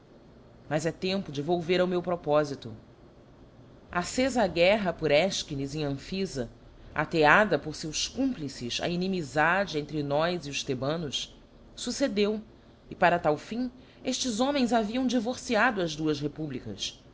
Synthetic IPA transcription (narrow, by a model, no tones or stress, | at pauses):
mɐzɛt̪ẽmpʊd͡ʒɪvowveɾawmewpɾɔpɔzit̪ʊ̰ | asezaɡɛɦɐpʊɾɛʃkinizĩɐ̃fizɐ | a̰t̪ead̪ɐpoχsewskũplisɪsɐ̰inĩmizad͡ʒɪẽnt̪ɾɪnɔjziʊʃt̪ebɐ̃nʊs | sused̪ew | ɪpaɾɐt̪awfĩ | eʃt͡ʃɪzõmẽj̃zaviɐ̃w̃d͡ʒivoɾsiad̪ʊɐzd̪uɐsɦepublikɐ̰s